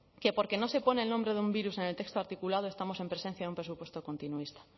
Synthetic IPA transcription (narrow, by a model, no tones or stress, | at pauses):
ke̞po̞ɾke̞no̞se̞po̞neːlnombɾe̞ðeumbiɾuse̞ne̞lt̪e̞kst̪oaɾt̪ikulað̞oe̞st̪amo̞se̞mpɾe̞se̞n̟θjaðumpɾesupwe̞st̪oko̞nt̪inuist̪ḁ